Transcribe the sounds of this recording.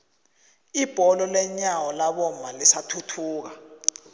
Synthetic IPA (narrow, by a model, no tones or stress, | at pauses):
ib̥ʱɔlɔlɛɲawɔlaɓɔmalisatʰutʰuːk̬a